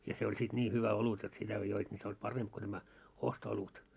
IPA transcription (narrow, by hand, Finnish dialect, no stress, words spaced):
jɑ se olʲ sit nʲiː hyʋæ olut jot sitæ ko joit nʲi se olʲ pɑremp ko tæmæ ostoolut